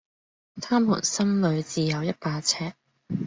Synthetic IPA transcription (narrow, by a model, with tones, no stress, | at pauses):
t̪ʰaː˥mːṵː˨˩nsɐ˥mlɵ˨˧ɥt͡siː˨jɐ˨˧wjɐ˥t̚paː˧t͡sʰɛː˥k̚